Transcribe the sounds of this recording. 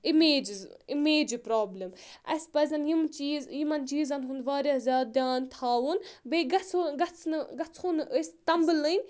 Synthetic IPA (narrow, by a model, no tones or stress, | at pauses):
ʔimeːd͡ʒizimeːd͡ʒipɾoːblʲɐmʔɐ̰spɐzʲɐnjimt͡ʃizjimɐnt͡ʃiːzɐnɦund̪ʋaːɾʲazʲaːd̪aːnt̪ʰaːwunbeːɡɐt͡sɡɐt͡sʰnɨɡɐt͡shunɨʔəst̪ɐmbɨlɨnʲ